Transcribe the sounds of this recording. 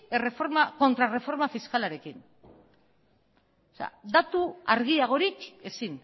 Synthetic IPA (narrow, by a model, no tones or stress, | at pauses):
ere̞fo̞ɾmako̞nt̪ɾare̞fo̞ɾmafiskalaɾe̞kin | osea̰d̪at̪uaɾɣ̞iaɣ̞o̞ɾike̞sin